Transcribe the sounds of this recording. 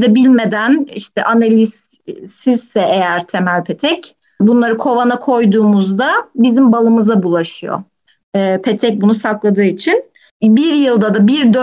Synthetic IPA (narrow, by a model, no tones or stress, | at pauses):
d̪ɛbilʲme̞d̪æniʃt̪ʰɛʔanelʲis | siz̥sɛʔejæɾt̪ʰe̞mælʲpʰe̞t̪ʰɛc | bunlˠaɾɯkʰo̞vanakʰo̞jd̪uːmuzd̪abizimbalˠɯmɯzabulˠaʃɯjo̰ | ɛːpʰe̞t̪ʰɛc̚bunusaklˠad̪ɯːit͡ʃʰin | biɾjɯlˠd̪ad̪abiɾd̪ø